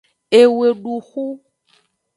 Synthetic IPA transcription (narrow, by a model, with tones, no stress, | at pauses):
e˨we˨ɖu˨xu˦